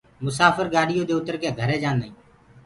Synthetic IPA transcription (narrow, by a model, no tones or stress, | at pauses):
mʊsaːfəɾɡaːɗɪjõːd̪eːʊt̪əɾkẽːɡʱəɾeːd͡ʒaːnd̪əĩː